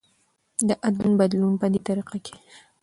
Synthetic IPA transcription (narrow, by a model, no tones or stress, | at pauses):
d̪əʔad̪lunbad̪lunpəd̪et̪aɾiqakʰe̥